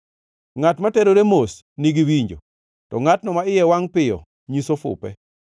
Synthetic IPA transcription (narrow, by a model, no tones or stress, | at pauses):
ŋatmatɛɾoɾemos | niɡiwiɲd͡ʒo̰ | tɔŋatnɔmaɪjɛwaŋpɪjɔ̰ | ɲisofʊ̰pɛ̰